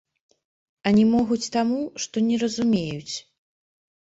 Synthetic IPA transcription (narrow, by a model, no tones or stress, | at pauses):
ɐnʲɛmɔɣut͡sʲt̪amuʂt̪ɔnʲɛɾɐzumʲejut͡sʲ